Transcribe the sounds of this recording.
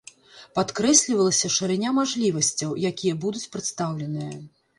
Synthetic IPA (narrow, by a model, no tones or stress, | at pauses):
pat̪kɾɛsʲlʲivɐlˠɐsʲɐʂɨɾɨnʲamaʐlʲivɐsʲt͡sʲɐwjakʲijɐbud̪ut͡sʲpɾɨt̪st̪awlʲɛnɨjɐ